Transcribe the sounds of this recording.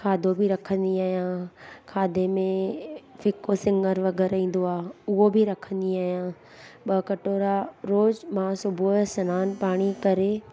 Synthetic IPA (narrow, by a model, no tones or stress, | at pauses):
kʰaːd̪ʱobʱɪɾɐkʰə̃nd̪iaːɦijãːkʰaːd̪ʱemẽfɪkosɪ̃ŋɡəɾʋɐɡɛːɾĩːn̆d̪oaːʊɦobʱɪɾɐkʰə̃nd̪iaːɦijãː | ɓɐkɐʈoːɾaɾoːzmãsʊbʱusɐnaːnpaːɽ̃ikɐɾe